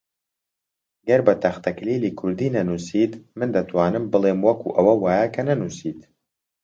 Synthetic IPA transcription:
ɡɐɾbɐt̪ʰɐxt̪ʰɐkliliːkʰʊɾd̪iːnɐnusiːt̪mɨnd̪ɐt̪waːnɨmbɨlˠemwɐkʰṵːʔɐwɐwaːjakʰɐnɐnusiːt̪

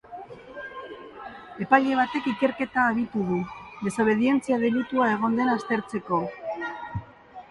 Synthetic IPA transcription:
e̞paʎe̞β̞at̪e̞kike̞ɾke̞t̪aːβit̪uðuðe̞saβ̞e̞ðie̞nt͡siaðelit̪uae̞ɣ̞o̞nd̪e̞nast̪e̞ɾt͡se̞ko̞

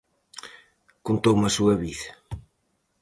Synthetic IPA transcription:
kunt̪owmɐsuɐβiðɐ

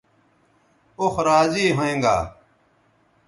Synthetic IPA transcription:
oxɾaːziːɦoẽːŋɡa̰ː

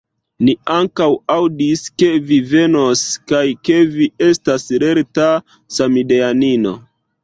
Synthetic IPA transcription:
niaŋkawawdiske̞vive̞noskajke̞vie̞stasɾe̞ɾta | samideanino̞̰

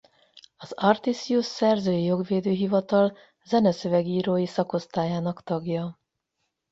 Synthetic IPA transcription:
ɒzɒrt̪isiusːɛrzøːjijo̞ɡʋeːd̪øːɦivɒt̪ɒl | zɛnɛsøvɛɡiːɾoːjisɒko̞st̪aːjaːnɒkt̪ɒɡjɒ

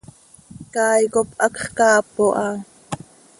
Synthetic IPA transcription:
kɑːjkopʔɑkχkɑːpoʔɑ

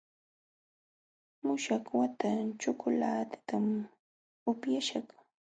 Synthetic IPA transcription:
mʊʃaχwat̪at͡ʃʊkʊlaːt̪ɪ̥t̪am | ʊpjaʃaχ

